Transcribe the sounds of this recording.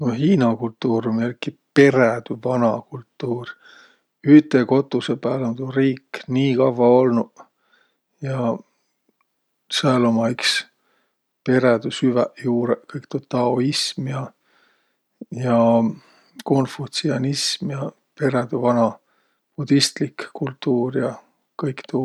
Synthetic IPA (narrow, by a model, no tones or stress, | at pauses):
noɦiːnɑkult̪ːuːɾumelkːipe̞ɾed̪yvɑnɑkult̪ːˑuːr | yht̪eko̞t̪ːˑusepæːlont̪uriːkniːkɑvːɑo̞lnu | jɑ | seɑlomɑiks | pe̞ɾed̪̥usyvɛjuːɾekɤjkt̪ot̪ːɑoismjɑ | jɑ | ko̞nfut̪siɑnismjɑ | pe̞ɾed̪̥uvɑnɑ | pud̪̥ist̪likkːult̪ːuːrjɑ | kɤjkt̪u